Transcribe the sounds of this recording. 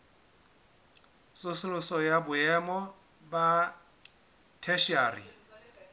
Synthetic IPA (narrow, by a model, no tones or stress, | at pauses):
sʊsʊlʊsɔjabʊɛmɔ | ba | tʰɛʃiaːrḭ